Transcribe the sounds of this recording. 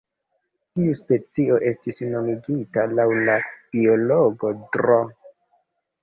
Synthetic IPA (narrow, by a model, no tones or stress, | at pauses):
tiuspe̞t͡sio̞ʔe̞stisno̞miɡitalawlab̥io̞loɡo̞dɾo